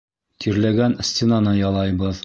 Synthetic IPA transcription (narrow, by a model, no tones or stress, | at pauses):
t̪ʰiɾlæɡænsʲt̪ʲenɑnɤjɑlˠɑjbɤð